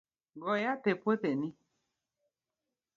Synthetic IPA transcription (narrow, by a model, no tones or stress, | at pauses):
ɡɔjatepwetenĩ